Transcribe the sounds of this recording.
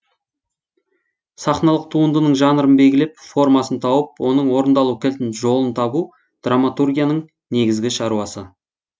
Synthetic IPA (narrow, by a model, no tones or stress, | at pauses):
sɑχnɑlˠəq̚t̪ʰuənd̪ənəɴʒɑnəɾənbe̞lɡʲɪlep̚fo̞rmɑsənt̪ʰɑwəp̚wo̞nəɴwo̞ɾənd̪ɑlˠukʲʰelt̪ɪnʒo̞lˠənt̪ʰɑbu | d̪̥ramat̪urɡʲijanəɴ | ne̞ɡʲɪzɡʲɪʃɑɾuɑsə